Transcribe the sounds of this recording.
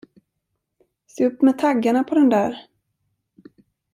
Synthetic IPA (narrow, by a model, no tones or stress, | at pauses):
seːɵpːmɛt̪ʰaɡːaɳapʰɔd̪ɛnd̪æːɾ